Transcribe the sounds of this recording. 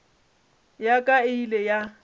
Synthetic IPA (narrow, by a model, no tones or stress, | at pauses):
jakʼaɪleja